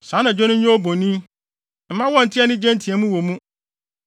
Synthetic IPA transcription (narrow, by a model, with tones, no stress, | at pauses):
sã˨˦nã˨d͡ʑᶣɔ˦nʊ̃˦ɲ̩˦ɲɔ̃˦o˦bo˨nĩ˦ | m̩˨mã˦wɔ̃˦n̩˨tʰɪ˦ɛ˦nɪ̃˦d͡ʑɛ̃˦ntʰĩ˨ɛ˨˦mũ˦wo˨mũ˦